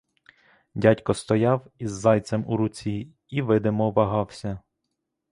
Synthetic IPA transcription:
dʲatʲkɔst̪ɔjɑwizːɑjt͡sʲɛmuɾʊt͡sʲi | iʋɪd̪ɪmɔʋɐɦɑwsʲɐ

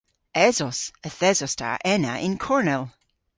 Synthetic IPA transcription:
ɛzɔsəθɛzɔstʰa̰ʔɛnə̰ʔɪnkʰɔɹnɛlˠ

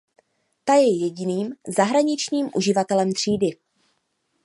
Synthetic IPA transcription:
t̪ajɛjɛɟɪniːmzaɦɾaɲɪt͡ʃɲiːmʔuʒɪvat̪ɛlɛmt̪r̥iːdɪ

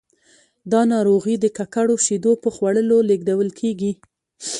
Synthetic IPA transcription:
d̪ɑnɑɾoɣid̪əkakaɽoʃid̪opəxwaɽəloleɡd̪awəlkʰeɡi

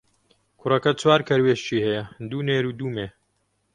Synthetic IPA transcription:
kʰʊrɐkɐt͡swaːɾkʰɐɾweːʃt͡ʃiːhɛjɐd̪uːneːɾuːd̪uːmeː

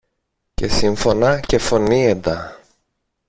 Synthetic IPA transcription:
ce̞siɱfo̞nɐce̞fo̞nied̪ɐ

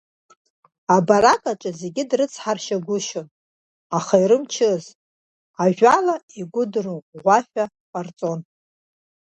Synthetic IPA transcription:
abaɾakʼaʈ͡ʂʼaze̞ɡʲɪdrɨt͡sʰħarʃaɡʷʊʃon | aχaiɾɨmt͡ʃʰɨz | aʒᶣʷalaiɡʷʊdrɨqʼʁʷaħᶣa | qʼart͡sʼo̞n

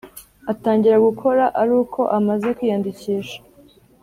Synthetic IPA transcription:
ataːɲɟiɾaɡukʰo̞ɾaʔaɾuːkʰo̞ʔamaze̞kwiːjandiciːʃḁ

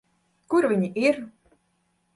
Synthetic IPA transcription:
kuɾvʲiɲʲiʔiɾ

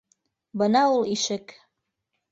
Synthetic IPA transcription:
bɤ̆nɑuliʃɘ̆k

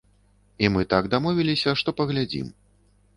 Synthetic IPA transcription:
imɨt̪aɡd̪amɔvʲilʲisʲɐʂt̪ɔpɐɣlʲad͡zʲḭm

